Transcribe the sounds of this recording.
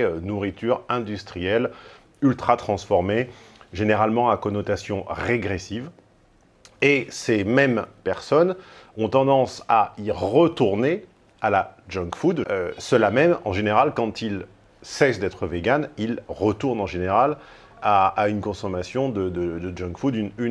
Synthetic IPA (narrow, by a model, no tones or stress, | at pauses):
ønuʁit̪yʁɛ̃d̪yst̪χijɛl | ylt̪χat̪χɑ̃sfɔʁmeʒeneʁalmɑ̃akɔnɔt̪asjɔ̃ʁeɡʁesiv | esemɛmpɛʁsɔnɔ̃t̪ɑ̃d̪ɑ̃saiʁət̪uʁne | alad͡ʒɔ̃kfud̪øsəlamɛmɑ̃ʒeneʁalkɑ̃t̪il | sɛsd̪ɛt̪χəveɡanilʁət̪uʁnɑ̃ʒeneʁal | aːynkɔ̃sɔmasjɔ̃d̪əd̪əd̪əd͡ʒɔ̃ŋkfud̪ynyn